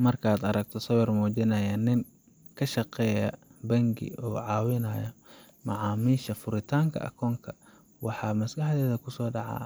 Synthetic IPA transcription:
mɐrkʰaːd̪ɐɾɐɡ̚t̪ʰɔsɐwɐrmɔːt͡ʃɪnɐjaːnːɪŋ | kʰɐʃɐqɛːjɐbɐŋɡɪ̰ɔːʕɑːwɪnɐːjɐ | mɑʕɑːmiːʃɐfʊɾɪt̪ʰaːŋkʰɐ̰ʔɐ̰kʰɔːŋkʰɐ | wɑħɑːmɐsɡɐħd̪ɛːðɐkʰʊsɔːɖɑʕɑ̰ː

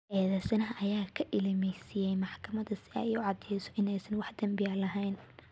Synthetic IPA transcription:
ʔɛːðɛːsɐnɐɦɐʔɐjaːkʰɐʔɪlɪmɛsɪjɛjmɑħkʰɐmɐðɐsɪɛ̰jiʊʕɑd̪ɛjsɔʔɪnɛjsɐnwɑħd̪̥ɐmbɪjɐlɐɦɛjn

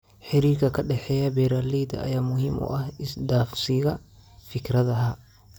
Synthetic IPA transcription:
ħɪɾiːrkʰɐkʰɐɖɛħɛːjɐbɛːɾaːlijd̪ɐ̰ʔɐ̰jaːmʊhimʔɔ̰ːʔɐhɪsd̪aːfsɪɣɐ | fɪkʰrɐðɐɦɐ

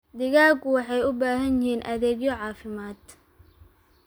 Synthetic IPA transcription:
d̪ɪɣaːɡʊwɑħɑjʊbaːɦɐnjɪhiːnʔɐ̰ðɛːɡjɔʕɑːfɪmaːd̪

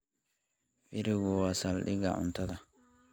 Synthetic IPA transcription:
biɾiɡɔwasalɗiɡa̰ʔṵntata

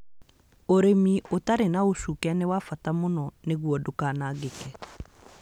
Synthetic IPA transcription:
oɾemiotaɾenaoʃukɛnewafatamonɔneɣwɔdokaːnaːɣekɛ

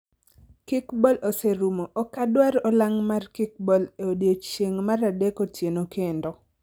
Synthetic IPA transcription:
kɪkbɔlʔoseɾumoʔɔkadwaɾɔlaŋmarkɪk̚bɔleodjot͡ʃjeŋmaɾadekotjenokendo

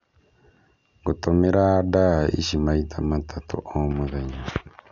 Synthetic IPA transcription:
ɡutomeɾadaḭʃimaitʰamatʰatṵʔomuðeɲa

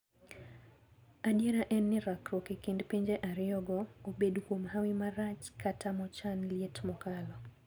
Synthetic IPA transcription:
adjeɾaʔɛnːɪɾakɾɔkekindpiɲd͡ʒeʔaɾjɔɡɔobedkwomɦawimaɾat͡ʃkatamɔt͡ʃanlietmɔkalɔ

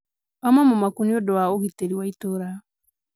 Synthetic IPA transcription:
amamɔmakuniodɔaoɣiteɾiwaitoɾa

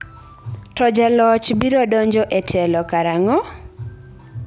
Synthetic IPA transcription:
tɔd͡ʒalɔt͡ʃbiɾɔdɔɲd͡ʒɔʔetʰɛlɔkaɾaŋɔ

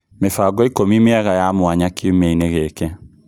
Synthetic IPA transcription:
mefaɡɔikomimeaɣajamwaɲakiomeineɣɛkɛ

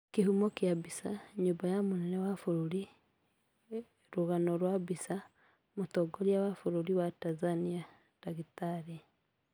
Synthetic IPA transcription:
kihumokjabisaɲubajamunenewafuɾuli | ɾuɣanoɾwabisa | mutoɡoljawafuɾuɾiwatazania | taɣitaɾi

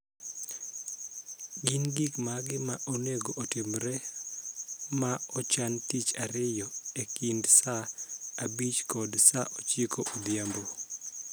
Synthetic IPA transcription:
ɡɪnɡikmaɡɪmaʔoneɡoʔotɪmɾɛ | maɔt͡ʃantit͡ʃaɾɪjɔekindsaabit͡ʃkɔdsaʔot͡ʃjekoʔod̪jambo

